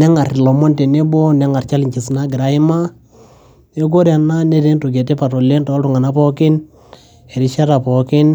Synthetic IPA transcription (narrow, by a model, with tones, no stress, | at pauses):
nɛ˦ŋa˨ɾlɔ˨mɔ˦nte˨ne˦bɔ˦nɛ˦ŋa˨ɾt͡ʃa˦li˨ɲt͡ʃi˨sna˦ɡɪ˨ɾa˨ɪ˦ma˦ | e˦ɡ̬o˦ɾja˨na˦ne˦ɾe˦nto˨ɡ̬ɛ˨tɛ˦pa˨tɔ˨le˦ntɔ˨˦ltu˨ŋa˨na˦pɔ˦kɪ˦n | ɛ˨ɾi˦ʃa˦ɾa˨pɔ˨kɪ˦n